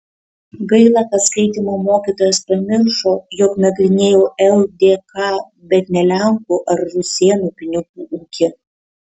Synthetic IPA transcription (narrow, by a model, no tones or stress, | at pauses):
ɡɐɪlˠɑkɐskɐɪt̪ʲiːmoːmoːkʲiːˑt̪oːjɛspɐmʲɪɾʃoːjɔknɐɡɾʲɪnʲeːjoːʔɛlˠd̪ʲeːkɑː | bʲɛt̪nʲɛlʲæŋkuʔɐɾɾʊsʲeɛnuːpʲɪnʲɪkuʔuːkʲɪ